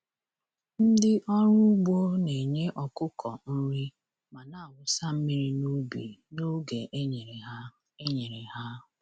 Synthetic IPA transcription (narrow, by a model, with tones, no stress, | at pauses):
n̩˦dɪ˦ʔɔ˦ɾʊ˦ɡ͡bo˦ne˨ɲe˦ʔɔ˨kʊ˦kʰɔ˨n̩˦ɾi˦ | ma˨na˨wʊ˦sa˦m̩˦mi˦ɾi˦no˦be˨no˦ɡe˨ʔɲ˨˦ | e˦ɲe˨ɾe˨ha˦